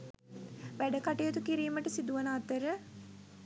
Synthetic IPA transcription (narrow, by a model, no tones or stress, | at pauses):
ʋæɖəkaʈejət̪ukiɾiːməʈəsid̪uʋənaːt̪əɾə